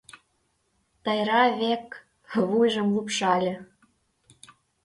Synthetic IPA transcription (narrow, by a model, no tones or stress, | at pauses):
t̪ɤjɾɑβek | βujʒə̆mlupʃɑlʲĕ